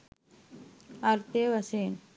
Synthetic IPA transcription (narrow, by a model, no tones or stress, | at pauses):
ɐɾt̪eːʋɐseːn